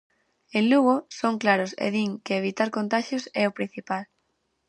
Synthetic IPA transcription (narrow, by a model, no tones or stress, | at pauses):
ẽnluɣʊsoŋklaɾʊsḛðiŋkeeβit̪aɾkont̪aʃjʊsɛopɾin̟θipal